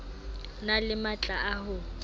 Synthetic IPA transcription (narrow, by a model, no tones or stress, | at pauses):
nalɪmat͡ɬʼaaɦʊ